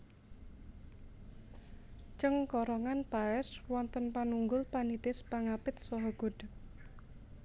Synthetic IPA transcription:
t͡ʃəŋkɔɾɔŋanpaɛswɔnt̪ənpanuŋɡʊlpanit̪ɪspaŋapɪt̪̚sɔɦɔɡ̥o̤d̥

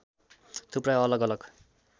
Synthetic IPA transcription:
t̪ʰupɾaʌlʌɡʌlʌɡ

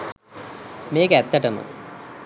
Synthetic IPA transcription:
meːket̪ːɐʈɐmɨ̰

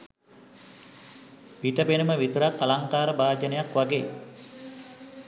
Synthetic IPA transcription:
piʈəbenuməʋit̪əɾakːalaŋkaːɾəbaːd͡ʒənəjakʋaɡeː

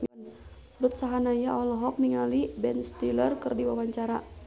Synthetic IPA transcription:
n | rut̪̚saɦanajaɔlɔɦɔk̚niŋalibɛnst̪ilərkɨrdiwawaɲt͡ʃaɾa

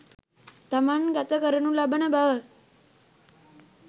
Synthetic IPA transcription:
t̪amanɡat̪əkəɾəɳũlabəɳəbʱa

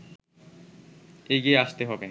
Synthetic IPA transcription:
eɡieaʃt̪eɦɔbe

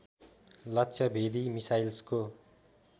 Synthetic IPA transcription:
lʌtːsʰʌbʱed̪imisajlsko

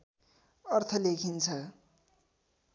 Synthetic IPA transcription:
ʌrt̪ʰʌlekʰint͡sʰʌ

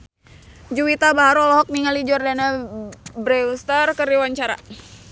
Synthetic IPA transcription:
d͡ʒuwit̪abaɦaɾɔlɔɦɔk̚niŋalid͡ʒɔrdanabɾɛust̪arkəɾiwaɲt͡ʃaɾa̰

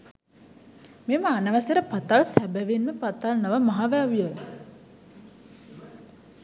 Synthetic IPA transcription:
meməanəʋəsəɾəpat̪alsæbæʋinməpat̪alnəʋəmaɦaʋæʋijə

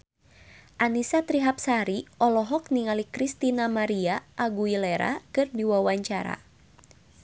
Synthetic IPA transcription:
ʔanisat̪ɾiɦap̚saɾiɔlɔɦɔk̚niŋalikɾist̪inamaɾiaʔaɡuileɾa̰kɨrdiwawaɲt͡ʃaɾa̰

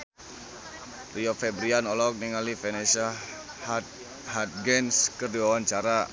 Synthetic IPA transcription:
riofɛbɾianɔlɔk̚niŋalifenesa | hat̪̚ɡɛnskərduwawant͡ʃaɾa

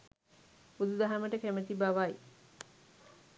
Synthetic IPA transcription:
ud̪ud̪aɦaməʈəkæmət̪ibaʋaj

